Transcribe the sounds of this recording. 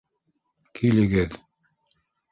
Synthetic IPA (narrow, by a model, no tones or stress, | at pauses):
kʰilɘ̆ɡɘð